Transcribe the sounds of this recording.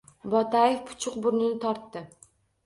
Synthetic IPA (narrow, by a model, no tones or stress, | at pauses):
bɒt̪ʰajefpʰʊ̥t͡ʃʰʊq̚bʊɾnɪnɪt̪ʰɒɾt̪ːɪ